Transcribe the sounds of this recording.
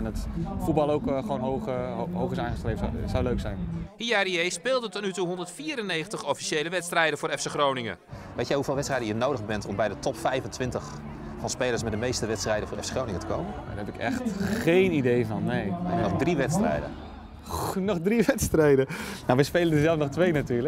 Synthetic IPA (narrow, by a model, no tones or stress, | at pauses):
ɛnətfut̚bɑlˠowkχoːnɦoɦowxɪsaːχəstrejvəsawløɥksɛjnhiariejspɪːlˠdətɔtnytuɦɔndərtfiːɾənejəntəχɔfi̥ʃejləʋɛtstrɛjdəvʊːɾɛfsexrownɪŋə̰ | ʋejtjɛjhuv̥ɪːlˠʋɛtstrɛjdəjənowdəɣbɛntɔmbɛjdətʰɔpfɛjvəntʋɪntəx | fɑnspeːlˠəɹsmɛdəmejstəʋɛtstrɛjdənvʊːrɛ̰fseχrownɪŋətə̥kʰo̰wməa̰dɛpɪkɛ̰xtχejnidejvɑnːejnɔxdriʋɛtstrɛ̰jdə̰ | nɔχdriʋɛtstrɛjdənawʋəjspejləndəzɛlˠfnɔχtʋejnatyːlə